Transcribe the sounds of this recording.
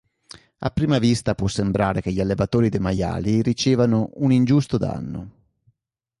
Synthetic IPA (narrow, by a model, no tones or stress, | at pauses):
a̰pːɾiːmavist̪apwɔsːembɾaːɾek̟eʎːalːevat̪oːɾid̪emaja̰ːlirit͡ʃeːvanounind͡ʒust̪od̪a̰nːo̰